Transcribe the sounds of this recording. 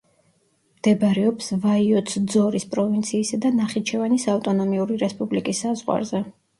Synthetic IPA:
md̪̥ɛbɾɛɔpsvaiɔt̪sʰd̪zɔɾispʼɾɔvint̪sʰiːsad̪anaχit͡ʃʰɛvanisaft̪ʼɔnɔmiuɾiɾɛspʼublikʼisːazʁwa̰ɾzɛ

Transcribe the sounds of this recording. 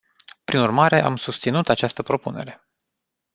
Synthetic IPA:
pɾinurmaɾe̞ʔa̰msust̪sinut̪at͡ʃast̪əpɾo̞pune̞̰ɾe̞

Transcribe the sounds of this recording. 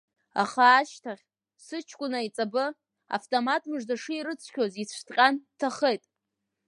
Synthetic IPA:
a̰χaːʃtʰaχʲ | sɨt͡ʃʰkʷʼʊnait͡sʼabɨ | a̰ftʼo̞matʰmɨʐdaʂɨiɾɨt͡sʷʰkʲʰozit͡sʷʰtʼqʲʼantʰaχejtʼ

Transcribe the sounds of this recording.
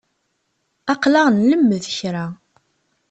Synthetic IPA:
ɑqlaʁnləmːəðəçɾa

